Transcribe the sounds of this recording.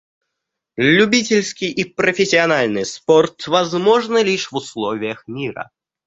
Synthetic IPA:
lʲʊbʲitʲɪlʲskʲɪjʔipɾəfʲɪsʲːɪɐnalʲnɨjsport̪vɐzmo̞ʐnɨlʲiʂvʊslˠovʲɪjəxmʲiɾə̰

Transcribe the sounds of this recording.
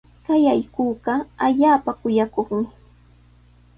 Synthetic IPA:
kajajkuːɢɑaʎaːpakʊjakoχmɪ

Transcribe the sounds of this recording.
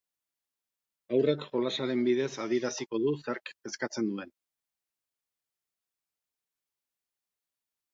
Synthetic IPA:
awrekʝo̞lasaɾe̞mbiðe̞sað̞iɾasiko̞ðuseaɾke̞skat͡se̞nd̪ue̞n

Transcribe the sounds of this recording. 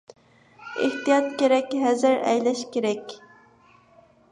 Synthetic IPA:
ḛht̪ɨjɑt̪kʲeɾɛkʲɦɛzɪɾɛ̰jlɛʃkʲeɾɛkʲ

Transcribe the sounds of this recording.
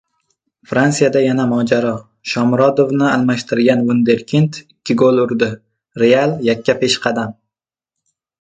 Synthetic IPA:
fɾansijad̪ajanamɒd͡ʒaɾɒ | ʃɒmɾɒd̪ovnɪalˠmaʃt̪ɪɾɡʲanvund̪eɾkʲʰint̪ɪkʲːɪɡolˠʊɾd̪ɪ | ɾealˠjakʲːapʰe̞ʃqʰɑd̪am

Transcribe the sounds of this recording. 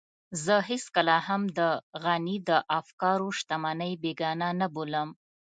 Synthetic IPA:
zəɦeskəlahamd̪əɣanid̪əʔafkɑɾoʃt̪amanəjbeɡɑnanaboləm

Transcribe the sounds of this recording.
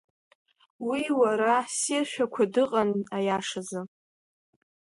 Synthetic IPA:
wiwaɾasirʃᶣakʷʰadɨqʼanajaʂaza

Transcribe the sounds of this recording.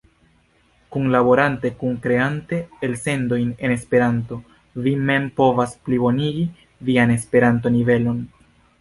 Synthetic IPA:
kunlabo̞ɾante̞kuŋkɾe̞ante̞ːlse̞ndo̞jne̞ne̞spe̞ɾanto̞ | vime̞mpo̞vasplibo̞niɡi | viane̞spe̞ɾanto̞nive̞lo̞n

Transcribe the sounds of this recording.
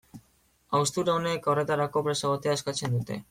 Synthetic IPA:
awst̪uɾaone̞ko̞re̞t̪aɾako̞pɾe̞saβot̪eaeskat͡se̞nd̪ut̪e̞̰

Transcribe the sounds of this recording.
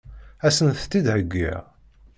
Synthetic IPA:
æsənθt̪ːid̪həɡʷːḭʁ

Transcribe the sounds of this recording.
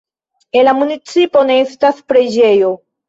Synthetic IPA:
elamunit͡sipo̞neestaspɾe̞d͡ʒe̞jo̞

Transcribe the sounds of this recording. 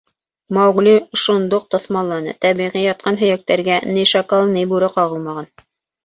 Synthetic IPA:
mɑwɡliʃond̪oq̚t̪ŏθmɑllːˠɑnɤ̰t̪æβiʁijɑt̪̚qɑnɦɵ̆jæk̚t̪æɾɡæniʃɑkɑlˠnɘjbuɾɘqɑʁɤlˠmɑʁɑn

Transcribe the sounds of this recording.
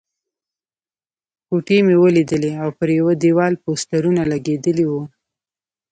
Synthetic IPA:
kuʈemewəlid̪əleawpəɾjawad̪ewɑlpost̪aɾunalaɡed̪əliwu

